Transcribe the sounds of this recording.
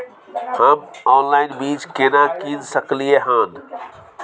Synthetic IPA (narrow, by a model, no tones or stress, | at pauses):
həmɔːnlaɪnbiːd͡ʒkenakĩnsəklieɦãːn